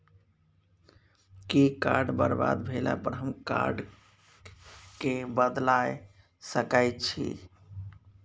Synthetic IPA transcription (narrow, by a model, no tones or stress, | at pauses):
kikaɾɖbəɾba̰d̪bʱela̰pəɾɦəmka̰ɾɖ | kebəd̪laj | səkajt͡ʃʰḭ